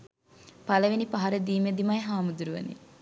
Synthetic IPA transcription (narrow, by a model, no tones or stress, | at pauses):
pɐləʋinipaɦɐɾəd̪iːmed̪imɐjɦaːmud̪uɾuʋə̰nḭ